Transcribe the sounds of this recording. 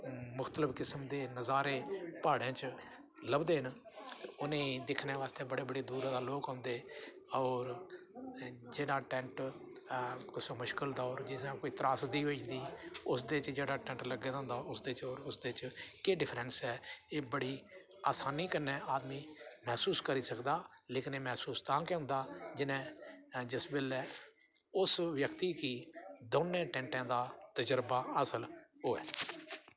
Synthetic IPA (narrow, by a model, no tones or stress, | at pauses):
mʊxt̪ələpʰkɪsəmd̪eːnəzaːɾeːpaːɽãːt͡ʃ | ləbd̪eːənʊnẽːd̪ɪkʰneːʋaːst̪eːbəɽeːbəɽeːd̪uːɾd̪aːloːkõːnd̪eː | ɔːɾ | d͡ʒeːɽaːʈɛ̃ːɳʈ | kɪsoːmʊʃkəld̪aːɔːɾd͡ʒɪãːkoːiːt̪ɾaːsd̪iːʋoid̪iːʊsd̪eːt͡ʃd͡ʒeːɽaːʈɛ̃ːɳʈləɡːeːd̪ãːnd̪aːʊsd̪eːt͡ʃɔːɾʊsd̪eːt͡ʃkeːɖɪpʰɾɛ̃nsɛːeːbəɽiː | aːsaːniːkənːɛ̃ːaːd̪mĩːmɛːsuːskəɾiːsəkd̪aːleːkɪneːmɛːsuːst̪ãːkeɦʊ̃nd̪aːd͡ʒɪnɛ̃ːd͡ʒɪsbeːlɛː | ʊsʋjəkt̪iːkiːd̪oːnːẽːʈɛ̃ːɳʈãːd̪aːt̪əd͡ʒəɾbaːəsəlɦoːɛ̰ː